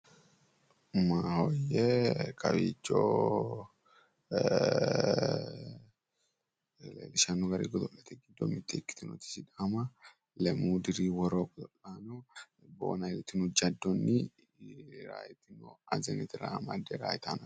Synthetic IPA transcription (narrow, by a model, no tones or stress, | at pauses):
mahojːekʰɐ̰biːd͡ʒo̰ː | lḛːlɪʃɐnːʊɡɐɾḭːɡɔd̪ɔʔlːɐt̪ʰɛɡɪd̪ːɔmɪt̪ʼːɪkːɪ̥t̪ɪnɔ̰t̪ɪ̥sɪᶑamɐ | lɛmuːd̪ɪɾiːwɔɾoːɡɔd̪ɔlːanɔ | bo̰ːnɐɪlɪt̪ːɪnʊd͡ʒːɐd̪ːɔnːɪ | ɾa̰ːjɪt̪ɪnɔɐzɛnɛt̪ɪɾa̰ːmɐd̪ɛɾa̰ːjɪt̪anɐ